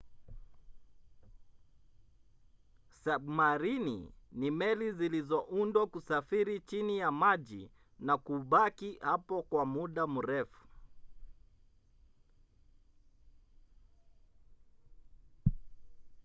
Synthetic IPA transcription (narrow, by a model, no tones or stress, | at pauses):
samaɾinḭnimɛlizilizɔʔundwakusafiɾit͡ʃinijamaʄḭ | nakuɓakihapɔkwamuɗamuɾɛfu̥